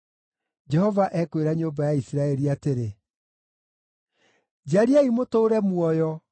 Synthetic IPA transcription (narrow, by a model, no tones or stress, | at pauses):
d͡ʑɛhɔvaʔɛkweɾaɲombajaisiɾaɛɾiateɾe | d͡ʑaɾiaimotoːɾɛmwɔjɔ